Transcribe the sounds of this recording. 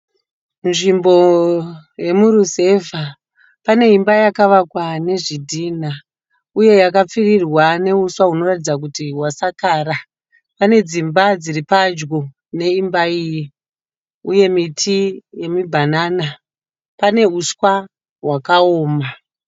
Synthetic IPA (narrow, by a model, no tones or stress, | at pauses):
nʐimbo̞ | je̞muɾuse̞va | pane̞imbajakaʋakwane̞ʐidʱiːna | uje̞jakap͡firirwane̞uswaɦuno̞ratid͡zak̬utiwasakaːɾa | pane̞d͡zimbad͡ziripad͡ʒɡo | ne̞imbaiji | uje̞mitʰije̞mibʱanaːna | pane̞uswa | ɦwakaoːma